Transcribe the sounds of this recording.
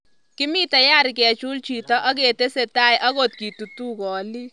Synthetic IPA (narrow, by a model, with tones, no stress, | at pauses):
kɪ˦mi˦tɐ˨ja˦ɾikɛ˨t͡ʃu˦lt͡ʃi˨tɔ˦ʔɐ˦k̬e˨te˦se˨ta˦jʔɐ˦kot̚ki˨tu˨tu˦kɔː˨li˦